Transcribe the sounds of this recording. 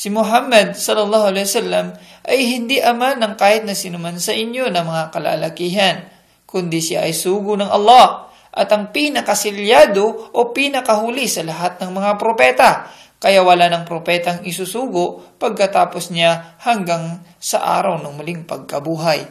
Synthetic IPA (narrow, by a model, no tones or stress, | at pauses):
sɪmʊɦamːɐd̪̚sɐlːɐlˠːɑːhʊalɛjwɐsalːɐmʔɐjɦɪnd̪iʔɐmanɐŋkaːhɪt̪̚nɐsɪnʊmansɐʔɪɲjo̞nɐmɐŋakɐla̰ːlɐkiːɦɐn | kʊnd̪isɪja̰ʔɐjsuːɡʊnɐŋʔɐ̰lˠːɑh | ʔɐt̪ɐŋpinɐkɐsɪljaːd̪oʔopinɐkɐhuːlisɐlɐɦat̪̚nɐŋmɐŋapɾopɛːt̪ɐ | kɐjawɐlanɐŋpɾopɛːt̪ɐŋɪsusuːɡʊpɐɡ̚kɐt̪aːpo̞sɲahɐŋɡaŋsɐ̰ʔa̰ːɾɐwnɐŋmʊliŋpɐɡ̚kɐbuːɦaj